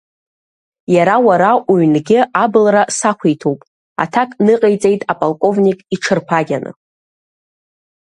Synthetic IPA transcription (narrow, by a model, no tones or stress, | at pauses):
jaɾawaɾaʔuɥnɡʲɪʔabɨlrasakʷʰejtʰowpʼ | a̰tʰakʼnɨqʼejt͡sʼe̞jtʼapʼalkʼo̞vnʲikʼiʈ͡ʂʰɨrpʰaɡʲanɨ̰